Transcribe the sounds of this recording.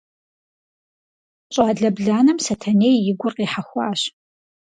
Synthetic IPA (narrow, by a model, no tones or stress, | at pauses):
ɕʼaːɮɐbɮaːnɨmsɐtʰɐneːjjɪɡʷʊrqiːħaxʷɑːɕ